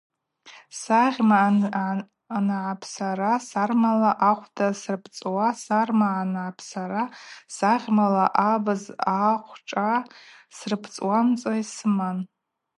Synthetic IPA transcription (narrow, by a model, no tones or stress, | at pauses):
saʁʲma | anʕapʰsaɾasarmalaʔaχʷdasrpʰt͡sʼwasarmaanʕapʰsaɾasaʁʲmalaʔabɨzaχʷʈ͡ʂʼasrɨpʰt͡sʼwamt͡sʼajsɨman